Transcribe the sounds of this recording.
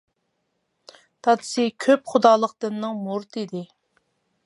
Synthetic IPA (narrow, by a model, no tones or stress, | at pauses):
t̪ʰɑd̪ɨ̥sɨkʲʰøpχʊd̪ɑːlˠəq̚d̪ɨnːɨŋmoɾt̪ʰɨd̪ɪ